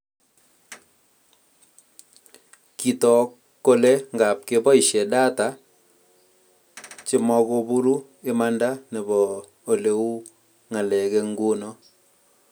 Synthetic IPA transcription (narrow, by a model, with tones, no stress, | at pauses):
ki˨tɔ˨kːo˦lɛ˦ŋɡa˨p̚ke˦bɔ˦ɪ˨ʃɛ˨da˦ta˨˦ | t͡ʃɪ˦mɔ˦ko˦bu˦ɾu˦ | ɪ˦ma˦nda˦nɛ˨bɔː˨ | le˦u˦ | ŋa˨lɛ˨kɛ˦ŋɡu˦nɔ˦